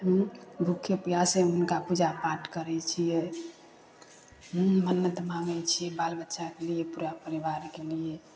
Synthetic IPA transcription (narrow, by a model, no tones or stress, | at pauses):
ɦəmbʱukʰːjəpijaseɦunkapud͡ʒapaʈkəɾɛt͡ʃʰijɛ | ɦmənːət̪əmamɛt͡ʃʰijɛbalbətːʃakeliepuɾapəɾibaɾkelie